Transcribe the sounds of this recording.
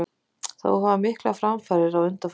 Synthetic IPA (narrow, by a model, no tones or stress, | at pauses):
θa̰ɦavamɪhkla̰fɾamfaɾɪɾawʏnt̪af